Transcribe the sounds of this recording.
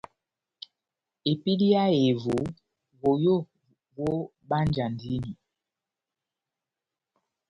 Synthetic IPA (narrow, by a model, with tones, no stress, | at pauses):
e˨pi˦li˦a˦e˨vo˨˦ | vo˨jo˦˨ | wo˦ | ɓa˦nd͡ʒa˨ndi˦ni˨